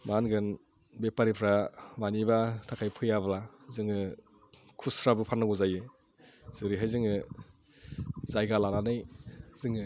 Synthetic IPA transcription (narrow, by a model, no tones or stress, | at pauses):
manɡɯn | bepaɾipʰɾamanibatʰakʰajpʰɯjablazɯŋɯ | kʰusɾabɯpʰanːaɡuzajɯ | z̥ɯɾiɦajzɯŋɯ | zajɡalananɯjzɯŋɯ